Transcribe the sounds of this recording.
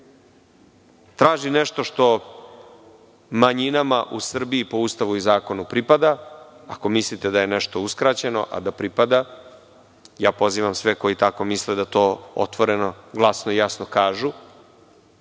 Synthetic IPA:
t̪ɾaːʒineʃt̪o̞ʃt̪o̞ | maɲinamaʔusr̩biːpo̞ust̪aʋuizaːko̞nupɾipad̪aako̞mislit̪ed̪aje̞nɛʃt̪o̞uskɾat͡ɕe̞no̞̰ʔa̰d̪apɾipad̪a | jaːpo̞ziːʋamsʋeko̞jit̪ako̞misled̪at̪o̞ːo̰t̪ʋo̞ɾe̞no̞ɡlˠasnojasnokaːʒu

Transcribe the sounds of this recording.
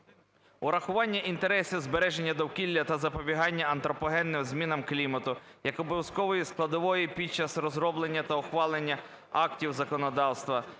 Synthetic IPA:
ʊɾɐxʊʋɑnʲːɐʔint̪e̞ɾɛsʲizbeɾɛʒenʲːɐd̪ɔwkʲilʲːɐt̪ɐzɐpɔbʲiɦɑnʲːɐɐnt̪ɾɔpɔɦɛnːɪmzʲmʲinɐmklʲimɐt̪ʊ | jɐkɔbɔʋjɐskɔʋɔjisklˠɐd̪ɔʋɔjipʲid̚ʲt͡ʃɐsrɔzɾɔblˠenʲːɐt̪ɐɔxʋɑlˠenʲːɐ | ɑktʲiwzɐkɔnɔd̪ɑwst̪ʋɐ

